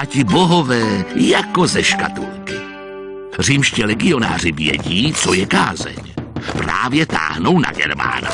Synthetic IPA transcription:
ʔacɪbo̞ɦo̞vɛːjako̞zɛʃka̰t̪ulkɪ | r̝iːmʃcɪlɛɡɪo̞na̰ːr̝ɪvjɛ̰ɟiːt͡so̞jɛkaːzɛ̰ɲpɾaːvjɛt̪a̰ːɦno̞wna̰ɡɛ̰ɾma̰ːna

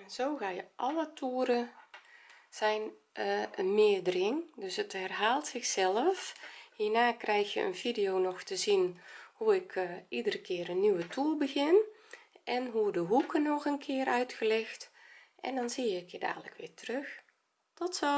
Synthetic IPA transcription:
nz̥oːɣaːjəʔɔlətʰuːɾə | z̥ɛjn | mɪədərɪŋdøsəthɛrɦaːlˠtsɪxsɛləfhiːnaːkrɛjxjə̰ʔə̰nfidijoːnɔxtəzinhuɪkʰidərəkʰɪːəɾənːyʋətʰuəlbəɣɪnʔɛnɦudəɦukʰənɔxənkʰɪərœɥtxəlɛxt | ʔɛ̰ndɔnsiːjəkʰɪːda̰ːdələ̰kʋɪːtərøx | tɔtsɔ

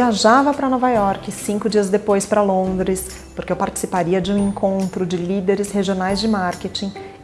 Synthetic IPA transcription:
iaʒavɐpɾɐnɔvajɔɾkɪsĩŋkʊd͡ʒiɐzd̪epojspɾɐlõnd̪ɾɪs | poɾkewpaɾt͡ʃɪ̥sipaɾiɐd͡ʒɪũẽŋkõnt̪ɾʊd͡ʒɪlid̪eɾɪsheʒionajzd͡ʒɪmaɾket͡ʃĩ

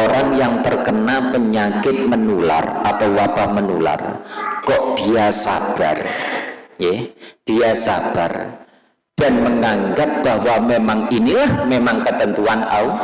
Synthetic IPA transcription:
oɾaŋjaŋt̪ərkənapəɲakɪt̪̚mənula̰rat̪awwab̥ahmənṵla̰rkɔʔd̥iasa̰b̥a̰r | jɛd̥iasa̰b̥a̰r | d̥anməŋaŋɡat̪̚b̥ahwamemaŋinilahmemaŋkət̪ənt̪uana̰u

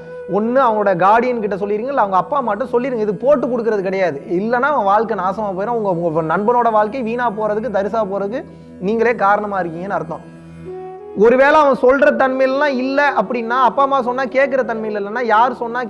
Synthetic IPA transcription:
ɔnːɯɐʋɐŋɡɭoːɽɐjɐɡaːɽɪjɐnkɪʈːɐsɔlːɪɾɯːŋɡɐɪlːɐɐʋɐŋɡɐːpːaːmaːʈːɯ̃sɔlːɪɾɯŋɡɐɪðɯkːɯpoːʈːɯkːɔɽɯk̬ːɪɾɐðɯkɪɽɐjaːðɯɪlːɐnːaːɐʋɐ̃ɡʋaːɭkɐɪnaːsɐmaːp̬oːjɪɾɐ̃ːɐʋɐŋɡɐŋɡɐnɐɳbɐnoːɽɐʋaːɭkɐɪʋiːnaːpoːɾɐðɯkːɯd̪ɐɾɪs̬aːpoːɾɐðɯk̬ːɯ | niːŋɡɐɭeːkaːɾɐɳɐmaːɪɾɯkːɯŋɡɐenːɯɐɾɯt̪ːõ̰ | ɔɾɯʋeːlɐɐʋɐ̃sɔlɾɐt̪ɐɳmɐɪjɪlːlãːɪlːɛɐpːɐɽɪnːaːɐpːaːmaːsɔnːaːkeːʈkɪɾɐt̪ɐɳmɐɪɪlɪlːɐnːaːjaːɾɯsɔnːaː

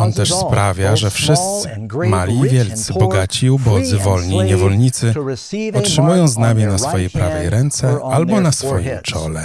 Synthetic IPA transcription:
ɔnt̪ɛʂspɾavʲjaʐɛfʂɘst̪sɘ̥ | malʲiːvʲjɛlt̪sɘbɔɡat͡ɕiubɔd̪zɘvɔlɲiːɲɛvɔlɲit̪sɘɔtʂɘmujɔ̃w̃znamʲinasfɔjɛpɾavɛ̰jɾɛnt̪sɛalbɔnasfɔjimt͡ʂɔlɛ

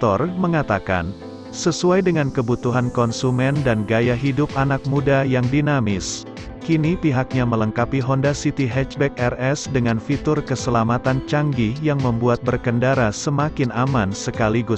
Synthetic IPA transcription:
t̪ɔrməŋat̪aka̰n | səsuajdəŋankəbut̪uɦankɔnsumɛndanɡajaɦidʊp̚anak̚mudajaŋdinamɪs | kinipiɦak̚ɲamələŋkapiɦɔndasit̪iɦɛt͡ʃbɛk̚ɛrɛsdəŋanfit̪ʊrkəsəlamat̪ant͡ʃaŋɡijaŋməmbuat̪̚bərkəndaɾasəmakɪnamansəkaliɡu

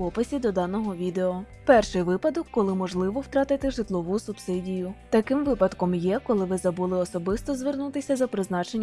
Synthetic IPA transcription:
ɔpɪsʲid̪ɔd̪ɑnɔɦɔʋʲid̪eɔ | pɛrʃɪjʋɪpɐd̪ɔkːɔlˠɪmɔʒlˠɪʋɔwt̪ɾɑt̪ɪt̪ɪʒɪt̪lˠɔʋusʊbsɪdʲijʊt̪ɐkɪmʋɪpɐd̪kɔmjɛkɔlˠɪʋɪzɐbulˠɪɔsɔbɪst̪ɔzʋernut̪ɪsʲɐzɐpɾɪznɑt͡ʃenʲː

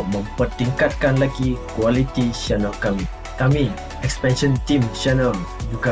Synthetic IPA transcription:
mə̃mpərt̪iŋkat̪̚kanlaɡikwalit̪iʃɛnəlkami | kami | ɛkspɛ̃nʃə̃nt̪ĩmt͡ʃɛnəld͡ʒuɡa

